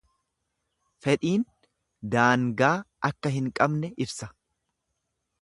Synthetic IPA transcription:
fɛᶑiːn | d̪aːŋɡaː | ɐkːɐɦɪŋkʼɐbnɛʔɪbsɐ

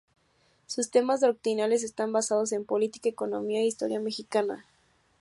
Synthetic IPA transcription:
sust̪e̞mazðok̚t̪ɾinale̞s̬e̞st̪ambasað̞o̞s̬e̞mpo̞lit̪i̥kaeko̞no̞̰miaeist̪o̞̰ɾjame̞xikana̰

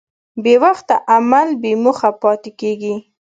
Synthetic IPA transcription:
bewaxt̪aʔamalbemʊxapɑt̪ɪkeɡi

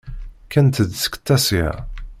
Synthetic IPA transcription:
kænt̪əd̪sə̥kt̪ːæsḭ

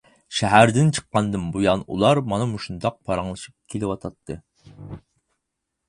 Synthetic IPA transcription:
ʃɛɦæɾd̪ɪnt͡ʃʰə̥qːɑnd̪ɨnbujɑnṵlˠɑɾmɑnɨmuʃund̪ɑq̚pʰɑɾɑŋlˠɨʃip̚kʲʰelɪwɑt̪ʰɑt̪ʰːɨ

